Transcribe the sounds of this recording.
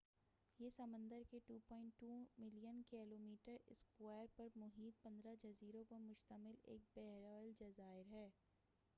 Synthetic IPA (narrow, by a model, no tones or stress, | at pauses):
jesɐmə̃nd̪əɾkeʈuːpɔ̃ːɪ̃ɳʈːuːmɪlijənkɛːloːmiːʈəɾɪskwɛːɾpɐɾmʊɦiːt̪̚pɐ̃nd̪ɾad͡ʒɐziːɾõpɐɾmʊʃt̪əmɪlḛːk̚bɛɦɾald͡ʒɐzaːɪɾɦɛː